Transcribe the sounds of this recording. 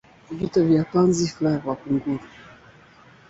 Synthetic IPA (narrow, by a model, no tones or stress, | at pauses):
vitɔvjapanziflavwakuŋɡuɾu